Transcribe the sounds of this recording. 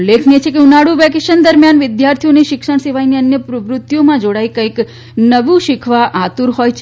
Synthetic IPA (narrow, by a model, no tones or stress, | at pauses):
lːekʰniet͡ʃʰekeunaɽũʋɛkeʃənd̪əɾmjanʋɪd̪jaɾt̪ʰijoneʃɪkʃəɳ̃seʋajniənjəpɾəʋɾʊt̪ːjomãd͡ʒoɽaikə̃jk | nəʋũʃɪkʰʋaʔat̪uɾɦojt͡ʃʰ